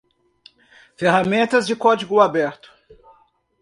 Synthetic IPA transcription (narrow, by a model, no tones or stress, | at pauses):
feɦamẽnt̪ɐzd͡ʒɪkɔd͡ʒiɡʊabɛɾt̪ʊ̥